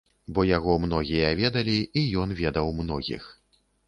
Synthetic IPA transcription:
bɔjaɣɔmnɔɣʲijɐvʲɛd̪ɐlʲiijɔnvʲɛd̪ɐwmnɔɣʲḭx

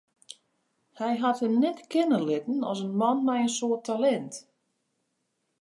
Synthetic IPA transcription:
hɛjɦathəmnɛtkɪnəlɪtn̩ɔ̰sənmɔnmɛjənsoətʰalɛnt

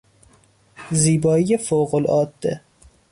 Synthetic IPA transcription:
ziːbɒːijefoɣolɒ̰ːd̪ːe

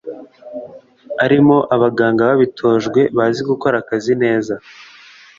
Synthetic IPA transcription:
aɾimo̞ʔaβaɡaːŋɡaβaβitʰo̞ːʒɡwe̞βaziɡuko̞ɾakazine̞ːza

